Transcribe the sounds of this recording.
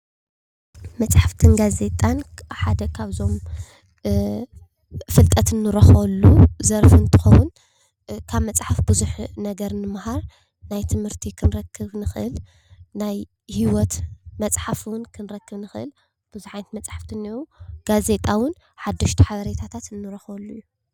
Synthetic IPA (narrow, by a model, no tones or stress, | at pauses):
mɐt͡sʼħaft̪ʰɨnɡaze̞t̪ʼanħad̪ɐkʰaβzo̞m | fɨlt̪ʼɐt̪ʰɨnːɨɾɐxɐlːuzɐɾfɨnt̪ʰɨ̥xɐwʊn | kʰaβmɐt͡sʼħafbɨzuħnɐɡɐɾnɨmhaɾ | najt̪ʰɨmhɨɾt̪ʰikʰɨnɨɾɐkʰːɨβnɨxʔɨ̰l | naj | hiwɔt̪mɐt͡sʼħafwʊnkʰɨnɾɐkːɨβnɨxʔɨ̰l | b̥ɨzuħant̪mɐt͡sʼħaft̪ʰɨniuɡ̥aze̞t̪ʼawɨn | ħad̪ːɐʃt̪ʰi̥ħaβɐɾet̪ʰat̪ʰat̪ɨnːɨɾɐxɐlːujːu